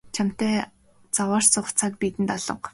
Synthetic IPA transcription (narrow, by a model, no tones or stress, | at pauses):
t͡ɕʰam̥t̪eː | t͡sawaːrt͡sʊχt͡sʰak̚pit̪ɘ̆nt̪ɔɮɞ̆q